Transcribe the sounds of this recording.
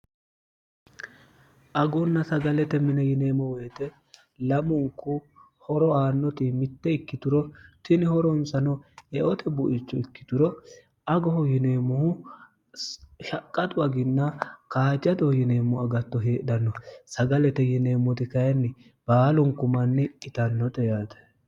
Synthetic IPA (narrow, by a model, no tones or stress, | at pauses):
ʔɐɡɔnːɐsɐɡɐlɛt̪ɛmɪnɛjɪne̞ːmɔwɛjt̪ɛ | lɐmʊŋkʊ | hɔɾɔaːnːɔt̪ɪmɪt̪ːɛɪkːɪt̪ʊɾɔt̪ɪnɪhɔɾɔnsɐnɔɛʔɔt̪ɛbʊʔɪt͡ʃːɔɪkːɪ̥t̪ʊɾɔ | ɐɡɔhɔjɪneːmːʊhʊ | ʃɐkʼːɐt̪ʊwɐɡɪnːɐkaːd͡ʒɐd̪ɔhjɪneːmːɔɐɡɐt̪ːɔɦeːʔd̪ɐnːɔsɐɡɐlɛt̪ɛjɪne̞ːmːɔt̪ɪkɐjɐnːɪ | b̥aːlɔŋkʊmɐnːɪɪt̪ɐnːɔt̪ɛjaːt̪ɛ̥